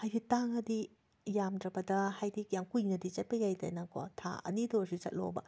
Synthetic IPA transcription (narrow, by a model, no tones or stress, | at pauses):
hajditaŋɐdi | jamdɾɐbɐdɐhajdikjaŋkujnɐdit͡ʃɐt̚pɐjajda̰jnɐko̰tʰa̰ɐ̰nidosit͡ʃɐ̰t̚lo̰bɐ̰